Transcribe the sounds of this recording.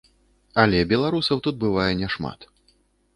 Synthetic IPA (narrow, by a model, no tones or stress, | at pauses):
ɐlʲɛbʲɛlˠaɾusɐwt̪ud̪̚bɨvajɛnʲɛʂma̰t̪